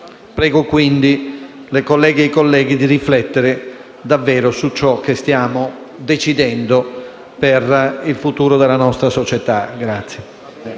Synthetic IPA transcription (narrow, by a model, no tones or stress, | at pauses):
pɾɛːɡokwind̪ilekolːɛːɡeejkolːɛːɡid̪iriflɛt̪ːeɾe | d̪avːɛːɾosut͡ʃːɔk̟ːest̪jaːmo | d̪et͡ʃid̪ɛnd̪o | perilfut̪uːɾod̪elːanɔst̪ɾasot͡ʃet̪aɡɾat̪sːje